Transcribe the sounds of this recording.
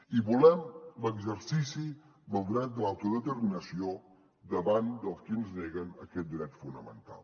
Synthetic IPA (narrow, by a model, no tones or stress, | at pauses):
iβulɛmləɡzəɾsisi | məlˠd̪ɾat̪̚d̪əlawt̪uðət̪əɾminəsio | d̪əβand̪əlˠskinzneɣənəkɛt̪̚d̪iɾɛt̪funəmə̰nt̪a̰lˠ